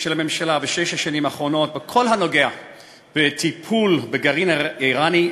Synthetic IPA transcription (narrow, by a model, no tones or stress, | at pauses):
ʃelamemʃalabeʃeʃaʃanimaχʁo̞no̞t̚bekʰo̞lɦano̞ɡea | b̥et̪ipʰulbeɡaʁiniʁani